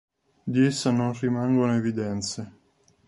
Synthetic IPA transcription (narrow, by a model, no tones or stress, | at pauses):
d̪iesːanonrimaŋɡonoevid̪ɛnt̪se